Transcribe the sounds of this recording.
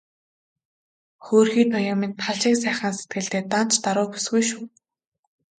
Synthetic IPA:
xoːrxiːt̪ʰɔjʊmĭnt̪ʰaɮʃiːks̬æːχə̆ːnse̥t̪̚ɡɘ̆ɮt̪eːt̪an̥t͡ɕt̪aɾʊːxu̥sɡujʃuː

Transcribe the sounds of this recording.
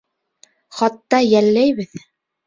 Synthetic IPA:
χɑt̪ːɑjælːæjβɘð

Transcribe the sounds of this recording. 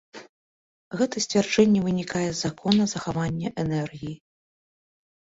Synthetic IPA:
ɣɛt̪ɐsʲt͡sʲvʲard͡ʐɛnʲːɛvɨnʲikajɛzakʰɔnɐzɐxavanʲːɐʔɛnɛrɣʲiji

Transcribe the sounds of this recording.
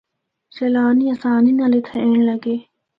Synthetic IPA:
sɐlaːniɐsaːninɐlet̪ʰɐẽːɳ̃lɐɡeː

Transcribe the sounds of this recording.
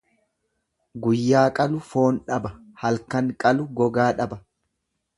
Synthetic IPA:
ɡʊjːaːkʼɐlʊfoːnᶑɐbɐ | hɐlkɐŋkʼɐlʊɡɔɡaːᶑɐbɐ

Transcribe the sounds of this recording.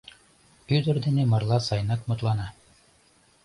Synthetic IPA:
yd̪ɵ̆ɾd̪ɘ̆nɘmɤ̆ɾlˠɑsɑjnɑkmŏt̪lˠɑnɑ

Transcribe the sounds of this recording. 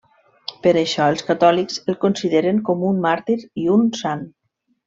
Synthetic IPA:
pəɾəʃɔəlˠskat̪ɔlikzəlˠkonsiðeɾəŋkɔmunmaɾt̪iɾiunsan

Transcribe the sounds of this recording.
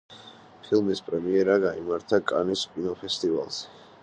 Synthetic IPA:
pʰilˠmispʼɾɛmiɛɾaɡaimaɾt̪ʰakʼaniskʼinɔpʰɛst̪ʼiva̰lˠz̥ɛ

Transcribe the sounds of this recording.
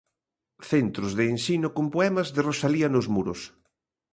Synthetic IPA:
θent̪ɾozðeːnsinokompoɛmɐzðerosaliɐnʊzmuɾos

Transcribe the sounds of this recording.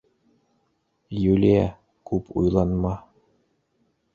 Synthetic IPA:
julʲiæ | kupʰṵjlˠɑnmɑ

